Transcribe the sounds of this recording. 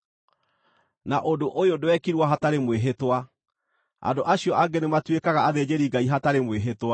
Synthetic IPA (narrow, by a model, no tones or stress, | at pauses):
naʔodoʔojodowɛkiɾwaɦataɾemweɦetwa | a̰ndoʔaɕiɔʔaɡɛnematwekaɣaːðed͡ʑeɾiɡaiɦataɾemweɦetwa